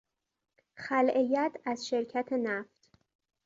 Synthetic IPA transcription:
xælʔejæt̪ʰæzʃe̞ɾcʰæt̪ʰe̞næft̪

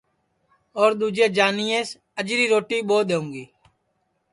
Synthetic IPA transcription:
ɔːɾd̪uːd͡ʒeːd͡ʒaːniːeːs | əd͡ʒɾiːɾoːʈiːɓoːɗ̪eːũːŋɡiː

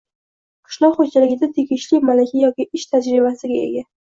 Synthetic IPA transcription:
qʰɨ̥ʃlˠɒχod͡ʒalɪɡʲɪd̪at̪ʰeɡʲɪʃlɪmalakʲʰajɒkʲɪʔɪʃt̪ʰad͡ʒɾɪbasɪɡʲaḛɡʲa

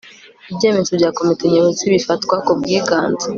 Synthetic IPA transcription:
ibɟeːmezobɟaːko̞miteɲoβet͡siβifatkwakub̚ɡiːɡaːnzḁ

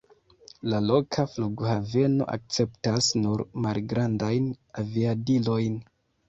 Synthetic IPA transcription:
lalo̞kʰafluɡhave̞no̞̰ʔa̰k̚t͡se̞ptasnuɾmalɡɾandajnaviadilo̞jn

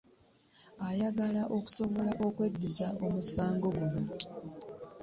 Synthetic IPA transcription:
ajaɡalaʔo̞ku̥so̞βo̞laʔokwe̞dːizaʔo̞musaːŋɡo̞ɡuβu

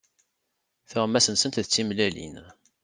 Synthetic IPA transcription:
θʊʁmːæsənsənt̪ðət͡sːimlælḭn

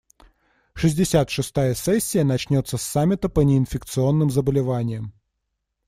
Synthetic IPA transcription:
ʂɨzʲdʲɪsʲat̪ʂɨst̪ajəsɛsʲːɪjənɐt͡ɕnʲo̞t̪sːəsːamʲːɪt̪əpənʲɪɪnfʲɪk̚t̪sɨo̞nːɨmzəbəlʲɪvanʲɪjəm

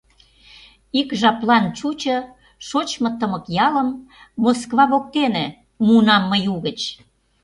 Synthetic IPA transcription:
ikʒɑplɑnt͡ɕut͡ɕɤ̆ | ʃot͡ɕmɤ̆t̪əmə̆kjɑlə̆mː | oskβɑβok̚t̪enĕ | munɑmːəjuɣət͡ɕ

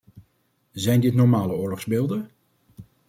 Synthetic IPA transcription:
zɛjndɪtnɔɹmaːləʊːɹlɔχzbeːlˠdə

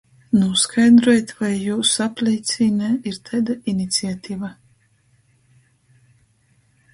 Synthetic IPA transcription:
nuskʰajd̪ɾɔjt̪ʲvajːuːsaplʲiːt̪sʲiːnɛiɾt̪ʰɛd̪ainʲit̪siat̪ʲiːva

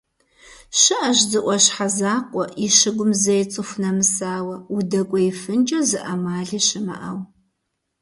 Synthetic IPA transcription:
ɕɨʔɐʒzɨʔʷɔɕħazaːqʷʼɔʔiʃɪɡʷʊmzɐjt͡sʼɨxʷnɐmɨsaːwɐʊdɐkʷʼɔifɨnd͡ʒʼɐzɨʔɐmaːɮiːɕɪmɐ̰ʔɐw

